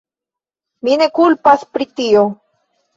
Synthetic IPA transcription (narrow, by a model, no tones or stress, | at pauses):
mine̞kulpaspɾitio